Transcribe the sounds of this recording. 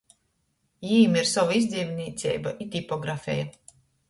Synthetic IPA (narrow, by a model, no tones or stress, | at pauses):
jiːmiɾsavaizd̪zʲiːmʲnʲiːt̪sʲɛ̰jbaʔit̪ʲipɔɡɾafʲɛ̰ja